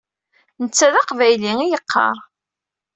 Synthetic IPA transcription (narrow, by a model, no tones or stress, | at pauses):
nət͡sːæðɑqvæjliŋijəqʰːɑ̰ɾˤ